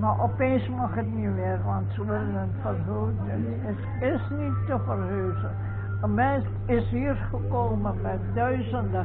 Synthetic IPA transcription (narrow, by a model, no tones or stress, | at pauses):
maʔɔpeːnsmɑxətniʋɪːrʋɑntsəʋɪlənənfərɦø | ən | ət | ɪsnitːəfərɦøːzə | əmɛntɪsɦiːərχəkoːməmɛ | dœɥzəndə